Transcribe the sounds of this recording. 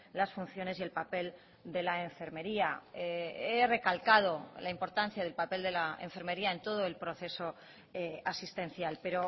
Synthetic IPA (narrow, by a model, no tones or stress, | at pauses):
lasfunθjo̞ne̞sie̞lpape̞l | d̪e̞laeɱfe̞ɾme̞ɾiaeere̞kalkað̞o̞laimpo̞ɾt̪an̟θjaðe̞lpape̞ld̪e̞lae̞̰ɱfe̞ɾme̞ɾiae̞nt̪o̞ð̞o̞e̞lpɾo̞θe̞so̞ | easist̪ẽ̞nθjalpe̞ɾo̞